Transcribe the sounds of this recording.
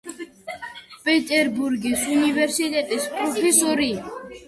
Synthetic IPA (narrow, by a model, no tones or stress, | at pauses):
pʼɛt̪ʼɛɾbuɾɡisunivɛɾsit̪ʼɛt̪ʼispʼɾɔfʰɛsɔɾi